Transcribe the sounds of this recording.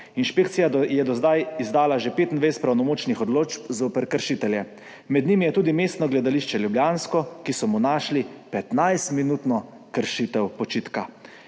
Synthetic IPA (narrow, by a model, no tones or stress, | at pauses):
inʃpeːkt̪sijad̪jɛd̪ɔzd̪ajizd̪aːlaʒepeːt̪nd̪ʋejst̪pɾawnɔmoːt͡ʃnixɔd̪loːt͡ʃpzoːpəɾkəɾʃit̪ɛljɛ | mɛd̪nimijɛt̪uːd̪imeːst̪nɔɡlɛd̪aliʃt͡ʃɛljubljaːnskɔkisɔmunaːʃlipɛt̪najst̪minut̪nɔ | kəɾʃit̪ɛwpɔt͡ʃiːt̪ka